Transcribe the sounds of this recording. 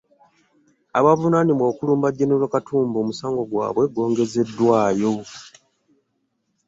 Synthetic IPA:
aβavunanimwoːkuluːmbaɟːenolwakatʰuːmbo̞ːmusaːŋɡo̞ɡwa̰ːβwe̞ɡo̞ːŋɡe̞ze̞dːwaːjo̞

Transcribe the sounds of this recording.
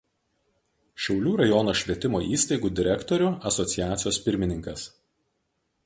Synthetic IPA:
ʃʲɛʊlʲuːɾɐjɔnoːʃʲʋʲiɛt̪ʲɪmoːʔiːst̪ɐɪɡuːd̪ʲɪɾʲɛkt̪ɔɾʲʊɐsɔt̪sʲɪjæːt̪sʲɪjoːspʲɪɾʲmʲɪnʲɪŋkɐs

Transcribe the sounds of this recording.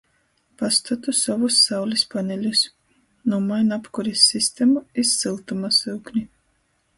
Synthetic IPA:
past̪at̪usavusːawlʲispanʲɛlʲus | numajnapkuɾisʲːist̪ɛmaisːɨlˠt̪umasɨwknʲi

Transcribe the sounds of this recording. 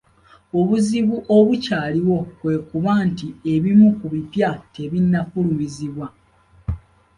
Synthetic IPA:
o̞βuziβuʔo̞βucaːliwo̞kwe̞ːkuβaːntie̞βimukuβipjate̞βinːafulumiziβwa

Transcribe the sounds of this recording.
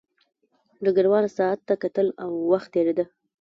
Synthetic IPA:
ɖ̪əɡəɾwɑnasɑat̪ːakat̪əlawːaxt̪ːeɾed̪ə

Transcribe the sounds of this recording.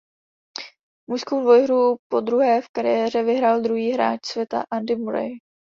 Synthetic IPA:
mujskowdvo̞jɦɾupo̞d̪ɾuɦɛːfkaɾɪjɛːr̝ɛvɪɦɾaːld̪ɾuɦiːɦɾa̰ːt͡ʃsvjɛt̪a̰ʔandɪmuɾɛ̰j

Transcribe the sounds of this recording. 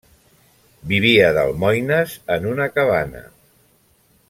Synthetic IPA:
biβ̞iəðə̰lˠmɔjnəzənunəkəβ̞anə̰

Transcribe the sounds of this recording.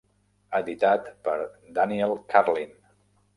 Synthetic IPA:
əd̪it̪at̪pəɾd̪aniɛlˠkʰaɾlin

